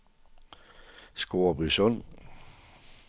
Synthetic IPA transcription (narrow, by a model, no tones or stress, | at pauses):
sɡ̥o̝ːɐb̥ʁisɔn̰